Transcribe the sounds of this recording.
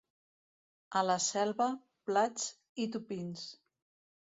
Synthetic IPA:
ələsɛlˠβə | plad͡z | it̪̬upins

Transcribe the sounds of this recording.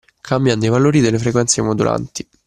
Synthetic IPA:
kʰambjand̪ejvaloːɾid̪elːefɾekwɛnt̪sjemod̪ulʔa̰nt̪i̥

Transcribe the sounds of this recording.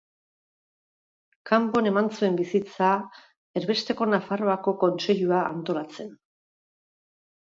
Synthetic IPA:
kampo̞ne̞mant͡sue̞mbisit͡sa | e̞ɾβe̞st̪e̞ko̞nafaro̞ako̞ko̞nse̞ʎuaʔa̰nt̪o̞lat͡se̞n

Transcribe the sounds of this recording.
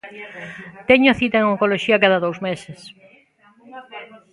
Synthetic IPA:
t̪eɲʊθit̪aeŋoŋkoloʃiɐkaðɐðowzmeses

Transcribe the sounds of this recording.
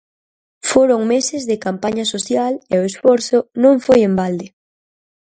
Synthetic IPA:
foɾoŋmesɪzðɪkampaɲasoθjaleoesfɔɾθʊnõŋfojembald̪ɪ

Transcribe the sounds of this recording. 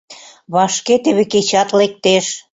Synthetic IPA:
βɑʃket̪eβeket͡ɕɑt̪lek̚t̪eʃ

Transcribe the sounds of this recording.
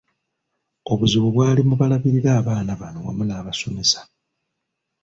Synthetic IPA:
o̞βuziβoβwaːlimuβalaβiɾiɾaːβaːnaβano̞wa̰munaːβaso̞me̞sḁ

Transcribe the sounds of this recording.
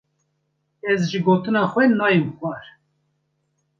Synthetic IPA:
ɛzʒɨɡoːt̪ɨnɑːxwɛnɑːjimxwɑɾ

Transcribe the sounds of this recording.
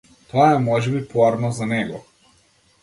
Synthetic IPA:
t̪ɔaɛmɔʒɛbipɔaɾnɔzanɛɡɔ̰

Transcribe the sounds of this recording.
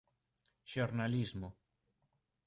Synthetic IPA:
ʃoɾnalizmo

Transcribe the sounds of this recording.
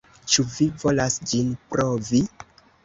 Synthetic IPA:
t͡ʃuvivo̞lasd͡ʒinpɾʔovi

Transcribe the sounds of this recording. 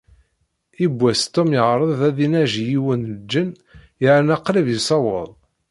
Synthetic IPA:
ibʷːæst̪ːomjəʁɾˤəðˤðæðinæʒijiwənd͡ʒːən | jəʕnɑqːɾivjisɑwəðˤ

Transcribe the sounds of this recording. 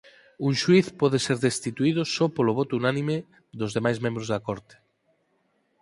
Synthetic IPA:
uŋʃwiθpɔðeseɾðest̪it̪uiðʊsopoloβ̞ɔt̪ounanĩme | ðozðemajzmẽmbɾozðɐakoɾt̪e̥

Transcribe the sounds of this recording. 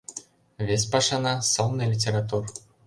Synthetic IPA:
vʲesʲpɑʂɑnɑsolnɤlʲit̬ʲeɾat̪̬ur

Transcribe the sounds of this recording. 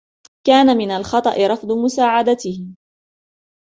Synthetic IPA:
kaːnamɪnalxɑt̪ˤɑʔɪɾˤɑfd̪ˤʊmʊsaːʕad̪at̪ɪhɪ

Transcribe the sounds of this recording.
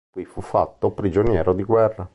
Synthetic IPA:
kwifufːa̰t̪ːopɾid͡ʒonjɛːɾod̪iɡwɛrːa

